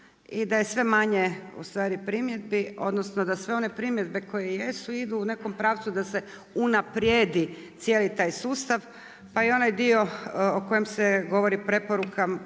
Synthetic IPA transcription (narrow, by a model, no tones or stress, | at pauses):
id̪ajesʋe̞maɲeṵst̪ʋaːɾipɾimje̞d̪̚bio̞̰d̪nosnod̪asʋe̞o̞ne̞pɾimje̞d̪be̞kʰo̞jeje̞suid̪uːne̞ko̞mpɾaːʋt̪sud̪ase̞ | unapɾjed̪i | t̪sjelit̪aːjsuːst̪aʋ | paio̞najd̪io̞oko̞jemseɡo̞ʋo̞ɾipɾe̞po̞ɾukʰa